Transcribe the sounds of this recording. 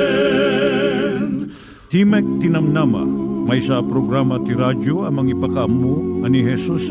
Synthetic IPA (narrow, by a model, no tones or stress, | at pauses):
t̪imɛk̚t̪ɪnɐmnamɐ̰mɐjsɐpɾoɡɾamɐt̪iɾad͡ʒoɐŋmɐŋipɐkɐʔɐmːuɐniɦɛsus